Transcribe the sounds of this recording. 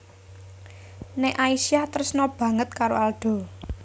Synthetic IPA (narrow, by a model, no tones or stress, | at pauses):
nɛʔaisiaht̪əɾsnɔb̥ä̤ŋət̪̚kaɾoalɖ̪̥ɔ̤